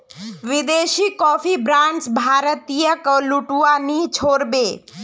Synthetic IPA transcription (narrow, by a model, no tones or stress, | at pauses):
ʋɪd̪eːʃikɔpʰibɾãɳt͡ʃbʱaːɾət̪ijəkəluʈuanit͡ʃʰoːɾbeː